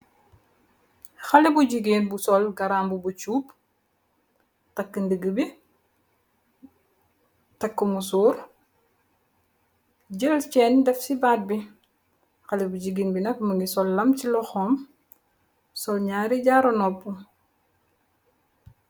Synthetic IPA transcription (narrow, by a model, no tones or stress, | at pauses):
xɐlibuɟiɡiːnbusɔlɡɐɾaːmbubut͡ʃuːp | tɐkːəndəɡəbi | tɐkːəmusuːɾ | ɟəlt͡ʃɛːndɛfsibaːt̚bi | xɐlibuɟiɡinbinɐk̚məŋɡisɔlːɐmcilɔxɔːm | sɔlɲaːɾiɟaːɾɔnɔpːu